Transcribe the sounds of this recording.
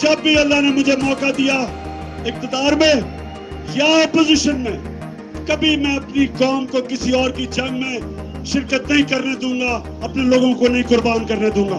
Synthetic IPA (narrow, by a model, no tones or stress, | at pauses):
d͡ʒɐbːiɐlːaːɦnemʊd͡ʒʱemɔːkad̪ija | ɪk̚t̪ɪd̪aːɾmẽː | jaɔːpozɪʃənmẽː | kɐbʱimɛ̃ːɐpnikɔːmkokɪsiɔːɾkid͡ʒɐ̃ŋɡmẽ | ʃɪɾkət̪nɐɦĩkɐɾned̪ũːɡa | ɐpneloːɡõkonɐɦĩkʊɾbaːnkəɾned̪ũːŋɡaː